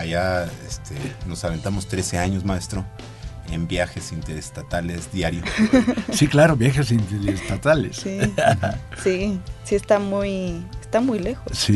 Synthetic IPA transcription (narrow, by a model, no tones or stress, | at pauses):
aʝaest̪ʰenosalent̪amost̪ɾe̞seaɲozmaest̪ɾo | ḛmbjaxesint̪eɾest̪at̪alezd̪jaɾjosiklaɾoβjaxesint̪eɾest̪at̪alesiahasisiest̪amujest̪amujlexosi